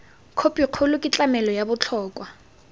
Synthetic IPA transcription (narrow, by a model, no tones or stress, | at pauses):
kʰopʼiq͡χʰʊlʊkʼɪt͡ɬʼamɛlɔjabʊt͡ɬʰɔːkʼwa